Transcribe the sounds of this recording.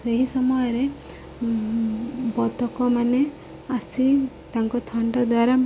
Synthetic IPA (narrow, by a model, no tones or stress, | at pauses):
seɦisɔmɔjɔɾe | bɔt̪ɔkɔmane | asi | t̪aŋkɔt̪ʰɔɳɖɔd̪waɾa